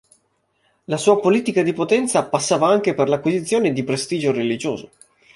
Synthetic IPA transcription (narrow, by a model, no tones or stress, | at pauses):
lasuːapoliːt̪ikad̪ipot̪ɛnt̪sapasːaːvaaŋk̟eperlakwizit̪sjoːned̪ipɾest̪iːd͡ʒoɾelid͡ʒo̰ːzo